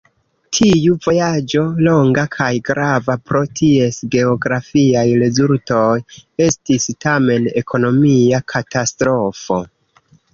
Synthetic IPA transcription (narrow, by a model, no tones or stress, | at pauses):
tʰiuvo̞jad͡ʒo̞lo̞ŋɡakʰajɡɾʔavapɾo̞tʰie̞sɡe̞o̞ɡɾafiajɾe̞zulto̞je̞stistame̞ne̞kʰo̞no̞miakʰatastɾo̞fo̞̰